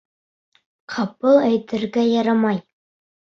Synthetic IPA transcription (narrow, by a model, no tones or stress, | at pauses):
qʰɑpɤlˠæjt̪ɘ̆ɾɡæjɑɾɑmɑj